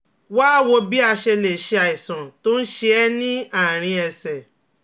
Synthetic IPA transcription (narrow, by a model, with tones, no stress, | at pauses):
waː˦˨wo˧bi˦a˧ʃe˧le˨ʃe˧a˨i˨sã˨to˦n̩˦ʃe˧ɛ˦nĩ˦a˦˨ɾ̃ĩ˧ɛ˧sɛ˨